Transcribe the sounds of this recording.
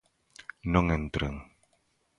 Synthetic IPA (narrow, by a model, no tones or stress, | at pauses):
nɔŋɛnt̪ɾəŋ